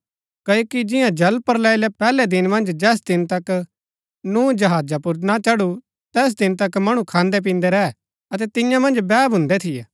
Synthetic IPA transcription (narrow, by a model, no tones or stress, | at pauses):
kɐoːkid͡ʒɪjãd͡ʒɐlpəɾlɛːɪlɛpɛːlɛd̪ɪnmɐ̃nd͡ʒd͡ʒɛːs̬d̪ɪnt̪ɐk | nuːd͡ʒɐɦaːd͡ʒapʊɾnat͡ʃɐɽu | t̪ɛːs̬d̪ɪnt̪ɐkmɐɽ̃ũkʰãːnd̪ɛp̬ĩːnd̪ɛɾɛɛ | ɐt̪ɛt̪ɪjãmɐ̃nd͡ʒbɛːbʱʊ̃nd̪ɛt̪ʰɪjeː